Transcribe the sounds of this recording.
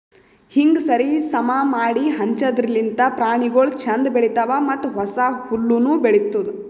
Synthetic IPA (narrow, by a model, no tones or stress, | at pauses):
hiŋɡsɐɾisɐmamaːɽiɦɐɲt͡ʃɐd̪ɾilːint̪ɐpɾaːɳiɡoɭt͡ʃʰɐnd̪beɭit̪ɐʋɐmɐt̪ːuɦɔsɐhulːunubeɽit̪ːud̪